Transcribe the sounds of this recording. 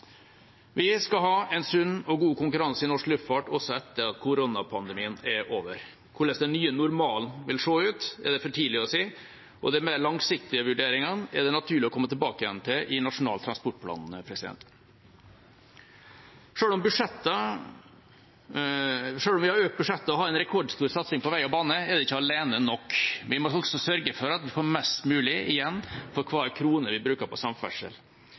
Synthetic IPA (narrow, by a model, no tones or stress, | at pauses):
ʋɪskɑɦɑːɛnsʉnːɔɡuːkʊŋkʉɾɑnsəɪnɔʂklʉft̪fɑʈɔsɔɛt̪ːəɾɑt̪kʰʊɾonɑpʰɑnd̪ɛmiːənɛɾʔoːʋəɾ | kʰʊɭəsd̪ɛnːyːənʊɾmɑːlnʋɪlʂoːʉːt̪ɛ̰ɖ̪ɛfɔʈʰiːlɪɔsiː | ʔɔ̰d̪ɛmeɭlɑŋsɪk̚t̪ɪəʋʉɖeːɾɪŋɑnɛɖ̪ɛnɑt̪ʰʉːɭɪɔkʰɔmːət̪ʰɪlbɑːkəjɛnt̪ʰɪlʔɪnɑʂʊnɑ̰ːlt̪ʰɾɑnspɔʈːpʰlɑ̰ːnəpʰɾɛsɪd̪ɛ̰nt̪ | ʂøːlɔmbʉʂɛt̪ːə | ʂøːlɔmʋɪhɑɾøːkt̪̚bʉʂɛt̪ːəɔɦɑːɾɛnɾɛkʰɔɖst̪uːɾsɑt̪sɪŋpɔʋæɪɔbɑːnəɛɾd̪ɛɪçːəɑleːnənɔkːʋɪmɔɔksɔsœɾɡəfɔɾɑt̪ʋɪfoːɾmɛst̪mʉːlɪʔɪjɛnːfɔɾkʰʋɑːæɾkʰɾuːnəɾʋɪbɾʉːkəɾpʰɔsɑmfɛ̰ʂə̰l